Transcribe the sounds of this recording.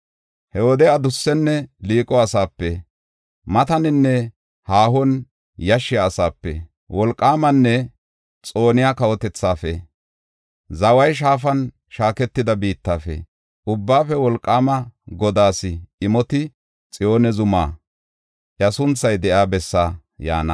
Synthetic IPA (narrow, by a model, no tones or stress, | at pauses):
hɛwɔd̪ɛɐd̪ʊsːɛnːɛliːkʼɔɐsaːpːɛ | mɐt̪ɐnɪnːɛ | haːɦɔn | jɐʃːɪjaːsaːpːɛ̰ | wɔlkʼːaːmɐnːɛ | t͡sʼo̞ːnɪjakɐwɔt̪ɛt͡sːaːfɛ̰ | zɐwɐjʃ̬aːfɐn | ʃaːkɛt̪ːɪd̪ɐbiːt̪ːaːfɛ̰ | ʔʊbːaːfɛwɔlkʼːaːmɐɡɔd̪aːsɪɪmɔt̪ɪ | t͡sʼɪjo̞ːnɛzʊmaː | ʔjɐsʊnt͡sːɐjd̪ɛʔaːbɛsːaː | ja̰ːnɐ̰